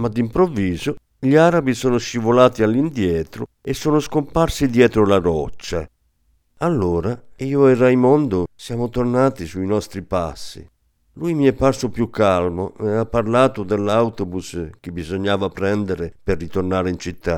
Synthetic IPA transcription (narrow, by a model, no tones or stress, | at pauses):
mad̪impɾovːiːzʊ | ʎiaɾabisɔːnʊʃivolaːt̪ialːind̪jɛːt̪ɾʊ̰ | ɛsːoːnʊskomparsid̪jɛːt̪ɾʊlaɾɔt͡ʃːa̰ | alːoːɾaiːʊɛɾajmɔnd̪ʊsjaːmʊt̪ornaːt̪isuinɔst̪ɾipa̰sːḭ | lujmiɛpːarsʊpjukʰːalmoɛapːarlaːt̪ʊd̪ɛlːawt̪obusk̟ɪbizoɲːaːvapɾɛnd̪eɾɪpɪrːit̪ornaːɾɪint͡ʃit̪ːa